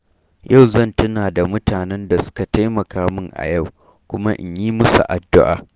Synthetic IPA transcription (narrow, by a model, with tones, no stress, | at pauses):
jʔa˦˨wzɐ˦˨ntʊ˦naː˨da˨mʊ˦taː˨nɛ˦nda˨sʊ̥˦ka˨ta˦jmɐ˨kaː˦mɪ˦ŋʔa̰˨ja˦˨w | kʷʊ˦ma˦ʔɪ̰˨ɲjiː˦mʊ˦sṵ˨ʔa˨dːʊ˦ʔa̰ː˨